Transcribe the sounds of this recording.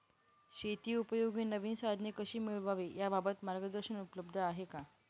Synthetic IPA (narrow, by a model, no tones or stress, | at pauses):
ɕet̪iːupəjoɡiːnəʋiːnsad̪ʱnekəɕiːmiɭʋaʋejababət̪maɾɡəd̪əɾɕənupələbd̪ʱəaɦeka